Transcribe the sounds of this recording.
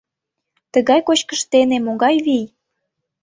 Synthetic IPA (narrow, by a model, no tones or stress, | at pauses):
t̪əɣɑjkot͡ɕkəʃt̪enemoɣɑjβij